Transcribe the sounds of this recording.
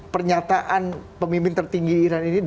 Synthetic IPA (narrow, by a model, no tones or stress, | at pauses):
pərɲat̪aʔanpəmimpɪnt̪ərt̪iŋɡiːɾaninid